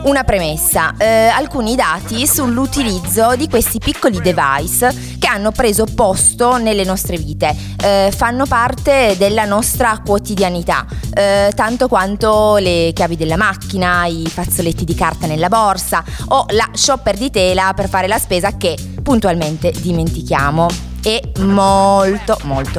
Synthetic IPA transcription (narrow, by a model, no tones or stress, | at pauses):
unapɾemesːaalkuːnid̪aːt̪isulːut̪ilid̪zːod̪ikwest̪ipikːolid̪eva̰js | keanːopɾeːzopɔst̪onelːenɔst̪ɾeviːt̪e | fanːopart̪ed̪elːanɔst̪ɾakwot̪id̪janit̪a̰t̪ant̪okwant̪olekjaːvid̪elːamakːinaifat̪sːolet̪ːid̪ikart̪anelːabɔrsaolaʃːɔpːerd̪it̪ɛːlaperfaːɾelaspeːzake | pːunt̪ualment̪ed̪iment̪ik̟jaːmo | emolt̪omolt̪o